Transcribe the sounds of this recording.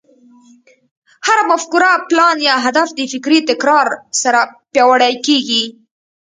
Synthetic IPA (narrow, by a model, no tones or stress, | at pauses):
haɾmafkuɾaplɑnjɑɦad̪afd̪əfɪkɾit̪ɪkɾɑɾsaɾapjɑwaɽajkeɡi